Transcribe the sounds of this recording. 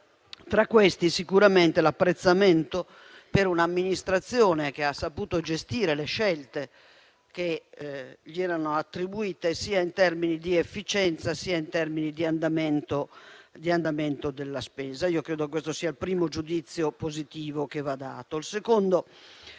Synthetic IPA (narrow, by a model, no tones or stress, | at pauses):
t̪ɾakːwest̪isikuɾament̪elapːɾet̪sːamɛnt̪o | peɾunamːinist̪ɾat̪sːjɔːnekeasːapuːt̪od͡ʒest̪iːɾeleʃɛlt̪e | ke | ʎiɛːɾanoat̪ːɾibuiːt̪esiːaint̪ɛrminid̪iefːit͡ʃɛnt̪sasiːaint̪ɛrminid̪iand̪amɛnt̪od̪iand̪amɛnt̪od̪elːaspɛːzaiːokɾɛːd̪okekwest̪osiːailpɾiːmod͡ʒud̪it̪sːjopozit̪iːvokevad̪a̰ːt̪oilsekond̪o